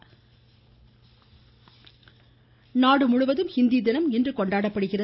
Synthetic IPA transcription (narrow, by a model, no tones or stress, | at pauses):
naːɽɯmʊɻʊʋɐðɯmhɪnd̪id̪ɪnɐmɪndrɯkɔɳɖaːɽɐpːɐɽɯɣɪrɐ